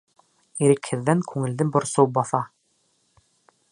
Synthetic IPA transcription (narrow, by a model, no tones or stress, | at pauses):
iɾɘkhɘ̆ðːæŋkʰʉŋɘ̆ld̪ɘbŏɾsowbɑθɑ